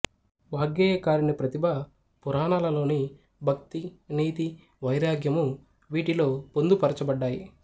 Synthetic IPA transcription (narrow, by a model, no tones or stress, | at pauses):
ʋaːɡjeːjɐkaːɾinipɾɐt̪ibʱɐ | puɾaːnaːlɐlo̞ːni | bʱɐkt̪iniːt̪i | ʋɐjɾaːɡʱjɐmu | ʋiːʈilo̞ːpond̪upɐɾɐt͡ʃɐbɐɖːaːjḭ